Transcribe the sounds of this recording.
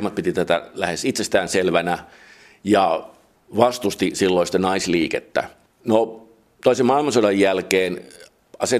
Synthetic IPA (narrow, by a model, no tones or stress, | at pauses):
mɑt̪̚pit̪it̪æt̪æ̰læhesit̪sest̪æːnselʋænæ | jɑ | ʋɑst̪ust̪isilːoisi̥t̪ːænɑisliːket̪ːæ̰ | no | t̪oisemɑilmɑnsodɑjjælkeːn | ɑse